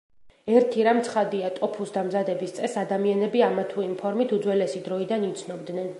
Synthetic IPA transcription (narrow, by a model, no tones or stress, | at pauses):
ɛɾt̪ʰiɾamt̪sʰχad̪iat̪ʼɔpʰusd̪amzad̪ɛbist̪sʼɛsad̪amianɛbiamat̪ʰuimpʰɔɾmit̪ʰud̪zwɛlɛsid̪ɾɔid̪anit̪sʰnɔbd̪nɛn